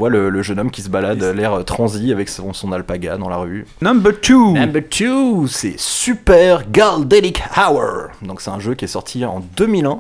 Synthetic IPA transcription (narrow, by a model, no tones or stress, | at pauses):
vwalələʒənɔmkʲisəbalad̪lɛʁət̪χɑ̃ziavɛksɔ̃sɔ̃nalpaɡad̪ɑ̃la̰ʁy | nãmbət̪ʰuñmbət̪ʰusɛ̰sypɛʁɡald̪ɛlikawə̰ʁd̪ɔ̃ksɛt̪ɛ̃ʒøkʲiɛsɔʁt̪ʰiɑ̰̃d̪ømilɛ̃